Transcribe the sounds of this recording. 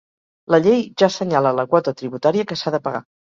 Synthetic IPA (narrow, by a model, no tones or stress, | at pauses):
ləʎejʒasəɲalələkwɔt̪ət̪ɾiβut̪aɾiəkəsaðəpəɣa̰